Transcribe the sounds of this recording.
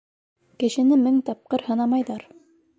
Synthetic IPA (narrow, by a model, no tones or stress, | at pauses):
kɘ̆ʃɘ̆nɘmɘŋt̪ɑp̚qɤɾhɤ̆nɑmɑjðɑɾ